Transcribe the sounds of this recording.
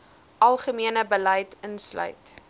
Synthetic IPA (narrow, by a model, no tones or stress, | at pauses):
ʔɐlˠχəmiənəbəlɐjtənslœ̰ɥt